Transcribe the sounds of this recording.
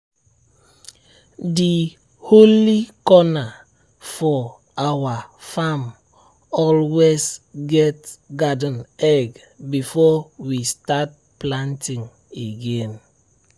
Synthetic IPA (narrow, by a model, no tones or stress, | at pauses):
di | holikɔna | fɔ | awafam | ɔlwesɡɛtɡadə̃nɛɡ | bifɔwistat̚ | plãntĩŋ | eɡẽn